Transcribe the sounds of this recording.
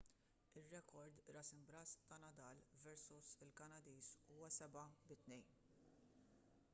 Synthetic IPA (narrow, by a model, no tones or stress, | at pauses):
ɪrːɛkɔɾd̪ɾɐsɪmbɾɐst̪ɐnɐd̪ɐːlvɛɾsusɪlkɐnɐd̪iːsuːwɐsɛbɐbɪt̪nɛjn